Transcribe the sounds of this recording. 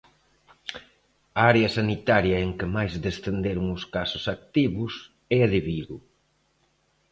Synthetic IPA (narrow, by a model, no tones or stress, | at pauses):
ɐaɾeɐsanit̪aɾjɐeŋkɪmajzd̪est̪end̪eɾuŋʊskasʊsak̚t̪iβʊs | ɛaðeβiðu